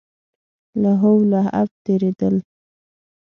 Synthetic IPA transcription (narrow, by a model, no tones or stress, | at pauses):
laɦowlaa̰p̚t̪eɾed̪əl